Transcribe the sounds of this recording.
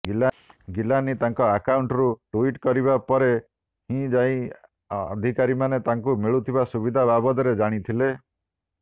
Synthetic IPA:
ɡila | ɡilanit̪aŋkɔakauɳʈɔɾuʈuiʈkɔɾibapɔɾe | hĩd͡ʒaĩ | d̪ʱikaɾimanet̪aŋkumiɭut̪ʰibasubid̪ʱababɔd̪ɔɾed͡ʒaɽ̃it̪ʰile

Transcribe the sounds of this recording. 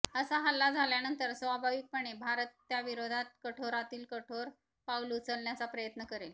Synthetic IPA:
əsaɦalːad͡zʱaljanənt̪əɾsʋabʱaʋik̚pəɳ̃ebʱaɾət̪ːjaʋiɾod̪ʱat̪̚kəʈʰoɾat̪iːlkəʈʰoɾ | paulut͡səlɳjat͡sapɾəjət̪nəkəɾel

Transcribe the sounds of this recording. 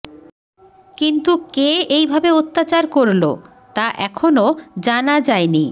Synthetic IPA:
kint̪ukeejbʱabeot̪ːat͡ɕaɾkoɾlo̰ | t̪aʔɛkʰonod͡ʑanad͡ʑaeni

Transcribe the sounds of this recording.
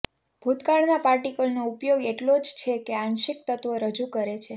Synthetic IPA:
b̥ʱut̪kaɭnapaɾʈikəlnoupjoɡeʈlod͡ʒt͡ʃʰekeanʃɪk̚t̪ət̪ʋəɾəd͡ʒukəɾet͡ʃʰe

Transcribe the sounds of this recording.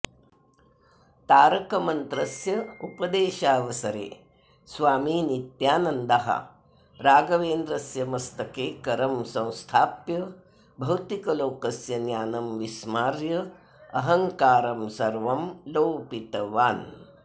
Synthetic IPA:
t̪aːɾɐkɐmɐnt̪ɾɐsjɐupɐd̪eːʃaːʋɐsɐɾḛː | sʋaːmiːnit̪jaːnɐnd̪aɦɐ̰ | ɾaːɡɐʋeːnd̪ɾɐsjɐmɐst̪ɐkeːkɐɾɐmsɐ̃w̃st̪ʰaːpjɐ | bʱɐwt̪ikɐloːkɐsjɐnjaːnɐmʋismaːɾjɐ | ɐɦɐŋkaːɾɐmsɐɾʋɐmloːpit̪ɐʋaːn

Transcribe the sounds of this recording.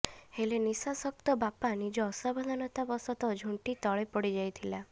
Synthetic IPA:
helenisasɔk̚t̪ɔbapanid͡ʒɔːsabɔd̪ʱanɔt̪abɔsɔt̪ɔd͡ʒʱuɳʈit̪ɔɭepɔɽid͡ʒajt̪ʰila

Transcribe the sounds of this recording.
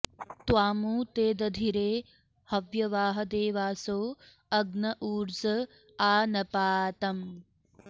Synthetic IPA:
t̪waːmuːt̪eːd̪ɐd̪ʱiɾeː | hɐʋjɐʋaːɦɐd̪eːʋaːsoː | ɐɡnɐʔuːɾzɐ | aːnɐpaːt̪ɐm

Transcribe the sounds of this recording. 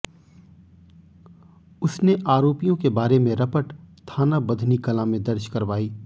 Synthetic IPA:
ʊsneʔaːɾoːpijõkebaːɾemẽɾɐpəʈt̪ʰaːnabɐd̪ʱnikɐlãmẽd̪ɐɾʃkɐɾʋaːiː

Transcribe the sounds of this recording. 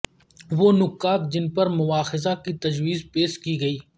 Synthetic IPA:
ʋoːnʊkːaːt̪̚d͡ʒɪnpɐɾmʊʋaːxɪzakit̪ɐd͡ʒʋiːzpeːskiɡɐiː

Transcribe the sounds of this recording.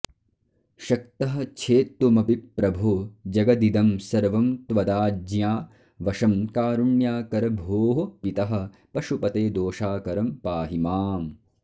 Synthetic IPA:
ʃɐk̚t̪ɐɦɐ̆t͡ʃʰeːt̪ːumɐpiɾɐbʱud͡ʒɐɡɐd̪id̪ɐmsɐɾʋɐmt̪ʋɐd̪aːd͡ʒjaː | ʋɐʃɐmkaːɾuɳjaːkɐɾɐbʱoːɦopit̪ɐɦɐ̆ | pɐʃupɐt̪eːd̪oːʃaːkɐɾɐmpaːɦimaːm

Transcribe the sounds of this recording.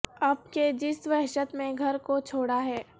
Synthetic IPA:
ɐb̚ked͡ʒɪsʋɛɦʃət̪mẽɡʱɐɾkot͡ʃʰoːɽaɦɛː

